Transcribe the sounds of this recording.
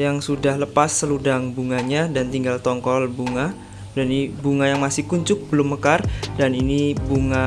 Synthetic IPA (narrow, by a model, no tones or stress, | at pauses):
jaŋsudahləpasːəludaŋbuŋaɲadant̪iŋɡalt̪ɔŋkɔlbuŋa | danbuŋajaŋmasɪhkuɲt͡ʃʊk̚bəlʊmːəkardaninibuŋa